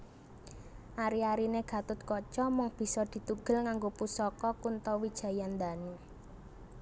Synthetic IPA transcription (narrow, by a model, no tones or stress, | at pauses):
ʔaɾiaɾineɡ̥a̤t̪ʊt̪̚kɔt͡ʃɔmɔŋb̥i̤sɔd̪̥i̤t̪uɡ̥ə̤lŋaŋɡopusɔkɔkunt̪ɔwid̥ʒ̥ä̤jand̪ane